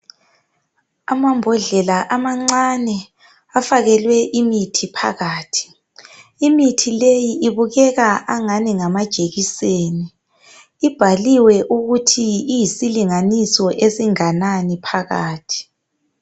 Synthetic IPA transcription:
amambʱɔɮɛlaʔamaŋ͡ǀanɛ | afaɣɛlwɛʔimitʰipʰa̰ɣaːtʰi̥ | imitʰilejiʔiβuɣɛɣaʔaŋaniŋamad̥ʒ̥ʱeɣiseːniː | b̥ʱaliwɛʔuɣutʰiːjisiliŋanisɔʔesiŋananipʰaɣaːtʰi̥

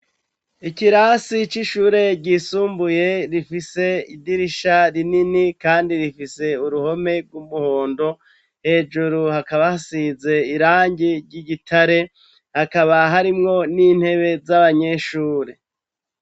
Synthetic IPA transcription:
ikiɾaːsit͡ʃiʃuːɾe̞ɟiːsuːmbuje̞ɾifise̞idiɾiʃaɾininikaːndiɾifise̞uɾuho̞me̞ɾɡwumuho̞ːndo̞ | he̞ːd͡ʒuɾuhakaβahasize̞iɾaːɲɟiɾɟiɟitʰaɾe̞ | hakaβaɦaɾimŋo̞niːn̥he̞βe̞zaβaɲe̞ʃuːɾe̞

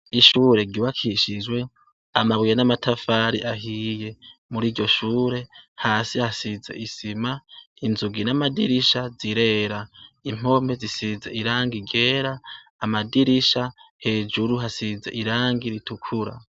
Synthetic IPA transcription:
iʃuːɾe̞ɡiwakʰiʃid͡ʒwe̞ | amaβwijanamatʰafaːɾiʔaɦije̞muɾiːɟo̞ʃuːɾe̞haːsihasize̞̰ʔisima | inzuɡinamadiɾiʃaziɾe̞ːɾaim̥o̞me̞zisizḛʔiɾaːŋɡiɡe̞ːɾaː | madiɾiʃahe̞ːd͡ʒuɾuɦasizḛʔiɾaːŋɡiɾitukʰuɾa̰

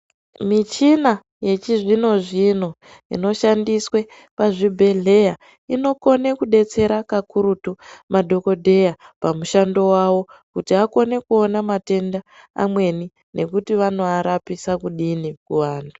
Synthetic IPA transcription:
mit͡ʃina | je̞t͡ʃiʐino̞ʐino̞ | ḭno̞ʃandiswe̞ | paʐibʱe̞ɮe̞ja | ino̞ko̞ne̞kuɗe̞t͡se̞ɾakakuɾutumadʱo̞ko̞dʱe̞japamuʃando̞wawo̞kutiako̞ne̞kuo̞namate̞nda | a̰mwe̞ni | nʔe̞kutiʋanoaɾapisakuɗinikuʋaːntʰu

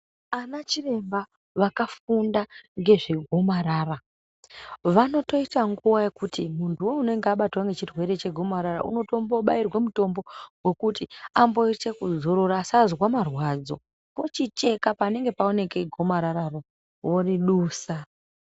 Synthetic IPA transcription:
anat͡ʃire̞mba | ʋakafundaŋɡe̞ʐiɡʱo̞maɾaːra | ʋano̞to̞itaŋɡuwaje̞kutimuntʰuwo̞unoŋɡaɓatwaŋɡe̞t͡ʃirwe̞ɾe̞t͡ʃe̞ɡʱo̞maɾaɾa̰ʔṵno̞to̞mbo̞ɓairwemuto̞mbo̞we̞kutiambo̞itekuzoɾoɾaːsazwamarwad͡zo̞̰ | po̞t͡ʃit͡ʃe̞kapane̞ŋɡe̞pao̞ne̞ke̞ɡʱo̞maɾaɾaro | woriɗuːsa

